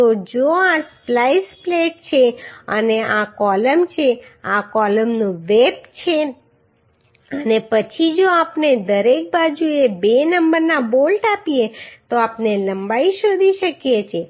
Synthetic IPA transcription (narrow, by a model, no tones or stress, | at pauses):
t̪od͡ʒoasplajspleʈ̚t͡ʃʰeə̰neʔakɔləmt͡ʃʰeakɔləmnũʋeb̚t͡ʃʰe | ənepət͡ʃʰid͡ʒoapned̪əɾek̚bad͡ʒuebenəmbəɾnabolʈapiet̪oapneləmbaiʃod̪ʱiʃəkjet͡ʃʰe